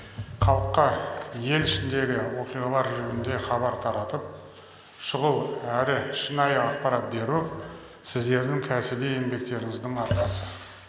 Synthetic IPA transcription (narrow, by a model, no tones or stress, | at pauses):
χɑlˠəqːɑje̞lɪʃɪnd̪e̞ɡʲɪwo̞qijʁɑlˠɑɾʒʏɡʲɪnd̪e̞χɑbɑɾt̪ʰɑɾɑt̪əp̚ | ʃʊʁəlˠæɾɪʃənɑjəɑq̚pɑɾɑt̪̚be̞ɾu | sɪzd̪e̞ɾd̪ɪŋkʲʰæsɪbee̞nbe̞k̚t̪e̞ɾɪŋɪzd̪ɪɴɑɾqɑsə